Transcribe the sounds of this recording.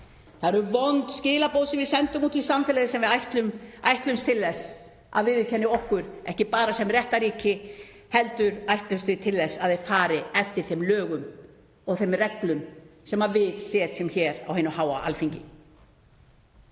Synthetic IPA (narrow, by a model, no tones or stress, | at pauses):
θaðɛɾʏɾvɔnt̪scɪːlapoːwsɪvɪðsɛnt̪ʏmuːt̪fisamfɛlaðɪsɛmvɪðajht̪lʏmajht̪lʏmst̪ʰɪlðɛs | ʔa̰ðvɪðɪc̪ʰɛnːɪɔhkʏɾɛhcɪpaːɾasɛmrjɛht̪aɾiːcɪ | hɛlt̪ʏɾajht̪lʏst̪ʏt̪ʰɪlðɛsːaðejfaːɾɪɛft̪ɪɾ̥θemlœːɣʏm | ɔɣθemrɛklʏnsɛmavɪðsɛːt̪sɛmçɛːɾa̰wheɪːnʏhaːwaʔa̰lfiɲcɪ̰